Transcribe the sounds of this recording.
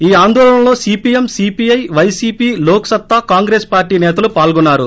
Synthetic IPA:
iːaːnd̪ɔːlɐɐ̃nlo̞ːsiːpiːjemsiːpijɐjʋɐjsiːpiːloːksɐt̪ːakaːŋɡɾe̞ːspaːɾʈːiːnɛːt̪ɐlupaːlɡunːaːɾu

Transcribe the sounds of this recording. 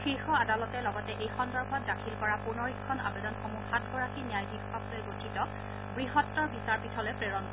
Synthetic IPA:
xixɔadalɔtɛlɔɡɔtɛʔejxɔndɔɹbʱɔtdakʰilkɔɹapunɔɹikʰːɔna̰bedɔnxomuxatɡɔɹakinijajbikːɔk̚lojɡotʰitɔ | bɹiɦɔtːɔɹbisaɹpitʰɔlɛpɹeɹɔnk

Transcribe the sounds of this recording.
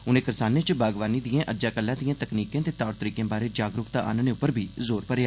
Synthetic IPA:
ʊnẽːkɪɾɪsaːneːt͡ʃbʱaːɡʋaːniːd̪ijãːʔəd͡ʒaːkəlːãːd̪ijãːt̪əkniːkãːt̪eːt̪aːɽt̪əɾiːkjãːbaːɾeːd͡ʒaːɡɾʊkt̪aːʔa̰ːnãːneːʊpːəɾbʱiːzoːɾpəɾjaː

